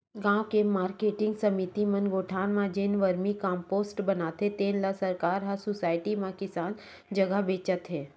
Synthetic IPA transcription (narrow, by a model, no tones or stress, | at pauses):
ɡãːwkemaːɾkeːʈɪ̃ŋɡsɐmit̪imɐnɡoːʈʰaːnmãd͡ʒeːnʋəɾmikãːmpoːsʈbɐnaːt̪et̪eːnlasɐɾkaːɾɦɐɾsʊsaːɪʈimãkɪsaːn | d͡ʒɐɡəɦbeːt͡ʃət̪ɦɛ̃ː